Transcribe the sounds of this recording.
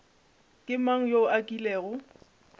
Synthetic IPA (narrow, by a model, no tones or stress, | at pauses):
kʼɪmaŋ̩joʔakʼilɛːɣʊ